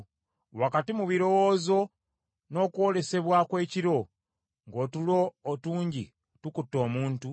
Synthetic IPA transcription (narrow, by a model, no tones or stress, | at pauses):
wakatimuβiɾo̞woːzo̞ | no̞ːkwo̞le̞se̞βwakwe̞ːciɾo̞ | ŋɡo̞ːtulo̞ːtuːɲɟi | tukutːo̞ːmuːntu